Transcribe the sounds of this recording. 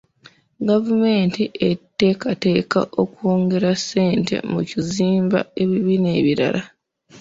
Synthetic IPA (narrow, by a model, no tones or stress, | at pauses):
ɡavume̞ːntiʔetːe̞ːkate̞ːka̰ʔo̞kuoːŋɡe̞ɾasːe̞ːnte̞̰muciziːmba̰e̞βiβine̞ːβiɾa̰lʔa